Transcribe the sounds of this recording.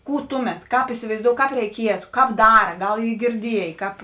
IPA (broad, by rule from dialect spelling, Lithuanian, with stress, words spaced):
ˈkuː ˈtʊˌmʲɛt ˈkɑːp ɪsʲɪʋɐɪzˈdoːʊ ˈkɑːp rʲɛɪˈkʲiɛtʊ ˈkɑːp ˈdɑːrɐ ˈɡɐlˠ ˈiː ɡʲɪrʲˈdʲiɛjeː ˈkɑːp